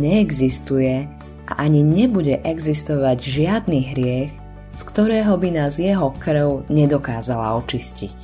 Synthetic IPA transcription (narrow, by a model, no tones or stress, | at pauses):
ɲɛːɡzist̪ujɛ | ʔa̰ʔaɲiɲɛbuɟɛʔɛɡzist̪ɔʋaɟʒɪad̪niːɦɾɪɛx | skt̪ɔɾɛːɦɔbinaːzjɛɦɔkr̩ʊɲɛd̪ɔkaːzala̰ɔt͡ʃiscic